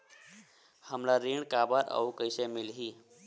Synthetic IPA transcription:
həmlaɾiɳkabəɾə̰ukəɪsemilɦi

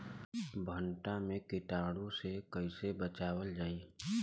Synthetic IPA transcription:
bʱəɳʈamẽkɪʈaːɽõsekəɪsebət͡ʃaːwəld͡ʒaːiː

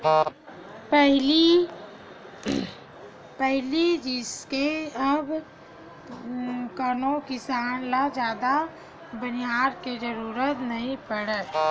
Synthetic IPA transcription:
pɛɦli | pɛɦlid͡ʒɪskeəb | kənõkɪsaːnlad͡ʒjaːd̪a | bəniɦaːɾked͡ʒəɾuːɾət̪nɐɦĩpəɽə

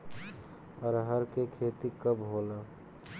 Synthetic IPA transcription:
əɾɦəɾkekʰeːt̪ikəbɦoːla

